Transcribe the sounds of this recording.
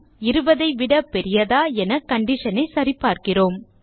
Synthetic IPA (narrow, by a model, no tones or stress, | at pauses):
ɪɾɯbɐðɐɪʋɪɽɐpːɛɾɪjɐðaːɛnɐkɐɳɖɪʂɐnɐɪsɐɾɪpːaːɾkɪroːm